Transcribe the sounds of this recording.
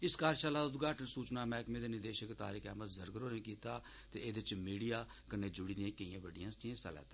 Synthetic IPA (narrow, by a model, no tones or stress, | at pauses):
ɪskaːɾʃaːlaːd̪ʊd̪ɡaːʈənsuːt͡ʃnaːmɛ̃ːɪkmẽːd̪eːnɪɾd̪eːʃəkt̪a̰ːɾiːkɛ̰ːmət̪zəɾɡəɾoːnẽːkiːt̪aː | t̪ḛːeːd̪eɪt͡ʃmiːɽijaː | kəneːd͡ʒʊɽiːd̪iãːkəiːãːʋəɖɪjãːst̪iẽːsa̰ːlɛ̰ːt̪ãː